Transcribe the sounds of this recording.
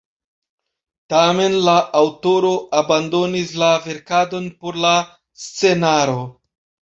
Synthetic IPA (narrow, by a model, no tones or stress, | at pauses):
tame̞nlaːwto̞ɾo̞ʔabando̞nislave̞ɾkado̞npo̞ɾla | st͡se̞naɾo̞